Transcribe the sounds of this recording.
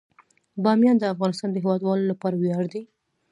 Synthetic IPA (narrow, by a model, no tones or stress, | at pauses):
bɑmjɑnd̪əafɣɑnɪst̪ɑnd̪əɦɪwɑd̪wɑlolapɑɾawjɑɽd̪i